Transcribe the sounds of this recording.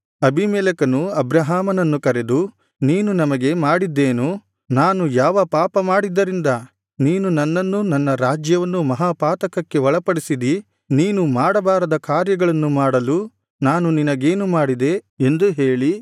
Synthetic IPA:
ɐbʱimɛːlɐkɐnuɐbɾɐɦaːmɐnɐnːukɐɾe̞d̪u | niːnunɐmɐɡe̞maːɽid̪ːe̞ːnu | naːnujaːʋɐpaːpɐmaːɽid̪ːɐɾind̪ɐ | niːnunɐnːɐnːunɐnːɐɾaːd͡ʒjɐʋɐnːumɐɦaːpaːt̪ɐkɐkːe̞ʋɐɭɐpɐɽisid̪i | niːnumaːɽɐbaːɾɐd̪ɐkaːɾjɐɡɐɭɐnːumaːɽɐlu | naːnuninɐɡe̞ːnumaːɽid̪e̞end̪uɦe̞ːɭi

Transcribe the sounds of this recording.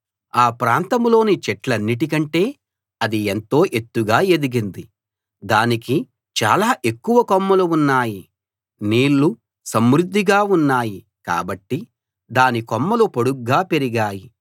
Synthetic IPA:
aːpɾaːnt̪ɐmlo̞ːnit͡ʃɛʈlɐnːiʈ̬ik̬ɐɳʈe̞ː | ɐd̪ient̪o̞ːʔe̞t̪ːuɡaːe̞d̪uɡind̪i | d̪aːniki | t͡ʃa̰ːlaːʔe̞kːuʋɐkɔmːɐluunːaːji | niːɭːu | sɐmɾud̪ʱːiɡaːunːaːji | ka̰ːbɐʈːi | d̪aːnikɔmːɐlupoɽuɡːaːpe̞ɾiɡaːji

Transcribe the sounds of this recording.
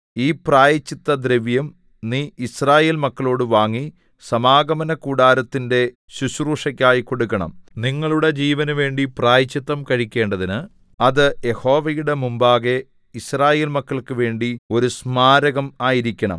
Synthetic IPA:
iːpraːjɐt͡ɕːit̪ːɐd̪ɾeʋjɐm | niːisraːje̞ːlmɐkːɐɭo̞ːɽɨʋaːŋːi | sɐmaːɡɐmɐnɐkuːɽaːɾɐt̪ːinde̞ | ɕuɕruːʂɐkʲːaːjiko̞ɽukːɐɳɐ̰mniŋːɐɭuɽe̞d͡ʑiːʋɐnuʋe̞ːɳɖipraːjɐt͡ɕːit̪ːɐmkɐɻikʲːe̞ːɳɖɐðinɨ | ɐðɨje̞ho̞ːʋɐjuɽe̞mumbaːɣe | israːje̞ːlmɐkːɐɭkɨʋe̞ːɳɖio̞ɾusmaːɾɐɣɐmaːjiɾikʲːɐɳɐ̰m

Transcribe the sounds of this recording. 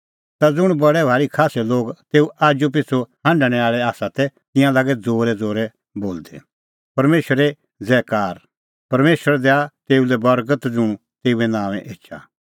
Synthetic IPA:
t̪ad͡zʊɽ̃bɐɽɛbʱaːɾikʰaːsɛloːɡt̪eːuaːd͡ʒup̬ɪt͡sʰohãɳɖɽ̃ɛaːɭɛaːsat̪ɛt̪ɪ̃jãlaːɡɛd͡zoːɾɛd͡zoːɾɛ | boːld̪ɛ̰ | pɐɾmeːʃəɾɛ | d͡zɛːkaːɾ | pɐɾmeːʃəɾd̪ɛat̪eːulɛbɐɾɡət̪d͡zʊɽ̃ | t̪eːuɛnãːʋɛ̃ʔeːt͡ʃʰa̰

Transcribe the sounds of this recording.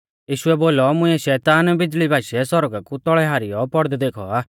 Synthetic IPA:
jiːʃuɛboːlɔmʊ̃ɛʃɛːt̪aːnbɪd͡ʒlibʱaːʃɛsɔɾɡakut̪ɔɭɛɦaːɾɪjɔpɔɽd̪ɛd̪eːkʰɔ̰aː

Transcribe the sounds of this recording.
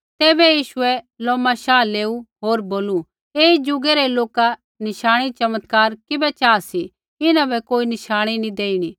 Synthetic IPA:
t̪ɛːbɛjiːʃʊɛ | lɔːmaʃaːleːuɦoːɾboːlu | eːid͡ʒʊɡeɾɛloːka | nɪʃaːɽ̃it͡ʃɐmət̪kaːɾkɪbɛt͡ʃaːsi | ɪnãbɛkoːinɪʃaːɽ̃inĩd̪eːiɽ̃i

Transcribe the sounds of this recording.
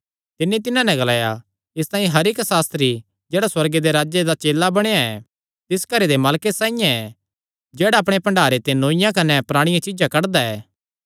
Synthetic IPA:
t̪ɪnːit̪ɪnãnɛ̃ɡɐlaːja | ɪst̪ãːĩɦɐɾɪksaːst̪ɾi | d͡ʒeːɽaswɐɾɡed̪eɾaːd͡ʒed̪at͡ʃeːlːabɐɽ̃ejaɛ | t̪ɪskɐɾed̪emaːlkesãːijãɛ | d͡ʒeːɽaɐpɽ̃epɐ̃ɳɖaːɾet̪enoːɪjãkɐnɛpɾaːɽ̃ɪjãt͡ʃɪd͡ʒakɐɽd̪aɛ̰ː

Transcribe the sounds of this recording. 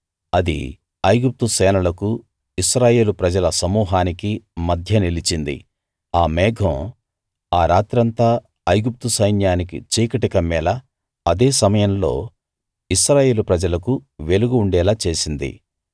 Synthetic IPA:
ɐd̪ḭ | ɐjɡup̚t̪usɛːnɐlɐku | isɾaːje̞ːlupɾɐd͡ʒɐlɐsɐmuːɦaːnikimɐd̪ʱjɐnilit͡ʃind̪ḭ | aːmɛːɡʱɐ̃m | aːɾaːt̪ɾɐnt̪aː | ɐjɡup̚t̪usɐjnjaːnikḭt͡ʃiːkɐʈikɐmːɛːlɐː | d̪eːsɐmɐjɐmlo̞̰ː | isɾaːje̞ːlupɾɐd͡ʒɐlɐkuʋe̞luɡuːɳɖɛːlaːt͡ʃe̞ːsind̪ḭ

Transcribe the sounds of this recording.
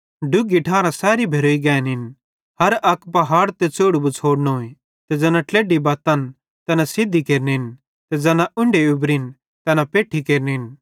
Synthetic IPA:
ɖʊɡiʈʰãːɾãsɛːɾibʱeɾoːiɡɛːnɦɪn | hɐɾɐkpɐɦaːɽt̪et͡soːɽubut͡sʰoːɽnoẽ | t̪ɛd͡zɐnãʈleːɖibaːt̪ɐn | t̪ɐnasɪd̪ʱikeːɾneɦɪn | t̪ɛd͡zɐnãʔʊ̃ɳɖeʊbɾɦɪn | t̪ɐnapeːʈʰːikeːɾnɦɪn

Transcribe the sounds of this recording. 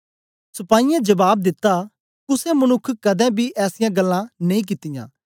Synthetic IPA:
sʊpaːijɛ̃d͡ʒɐbaːb̚d̪ɪt̪ːa | kʊsẽmɐnʊkʰːkɐd̪ɛ̃bʱiʔɛːsɪjãːɡɐlːãnɐĩːk̬ɪt̪ɪjã̰ː

